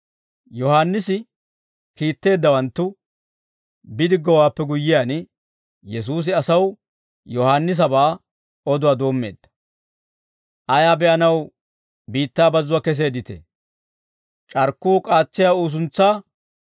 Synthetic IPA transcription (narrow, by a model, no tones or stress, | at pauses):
jɔhaːnːɪsɪ | kiːt̪ːe̞ːd̪ːɐwɐnt̪ːʊ | bɪd̪ɪɡɔwaːpːɛɡʊjːɪjaːn | jɛs̬uːs̬ɪɐsɐw | jɔhaːnːɪs̬ɐbaː | ɔd̪ʊwaːd̪o̞ːmːe̞̰ːd̪̥ːɐ̥ | ʔɐjaːbɛʔɐnɐw | biːt̪ːaːbɐzːʊwaːkɛs̬e̞ːd̪ɪt̪ɛ̰ | t͡ʃʼɐɾkːuːkʼaːt͡sːɪjaːuːs̬ʊnt͡sːaː